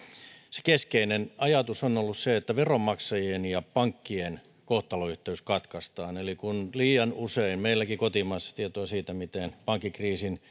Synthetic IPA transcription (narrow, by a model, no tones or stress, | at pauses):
se̥keskeinenɑjɑt̪usonolːusseet̪ːæʋeromːɑksɑjienjɑpɑŋkːien | koht̪ɑloyht̪eyskɑt̪kɑst̪ɑːnelikunliːjɑnuseinmeilːˑækikot̪imɑːsːɑ̥t̪iet̪oɑsiːt̪æmit̪enpɑŋkːikriːsin